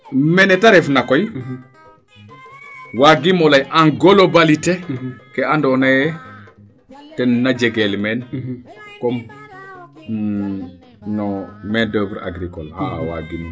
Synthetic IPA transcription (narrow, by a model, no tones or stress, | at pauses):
mɛnɛtaɾefnakɔj | waɡimolajʔaŋɡolobalitekeandɔnaje | tɛnːad͡ʒeɡelmɛn | kɔm | nɔmɛndəbɾa̰ɡɾikola̰wa̰ɡimi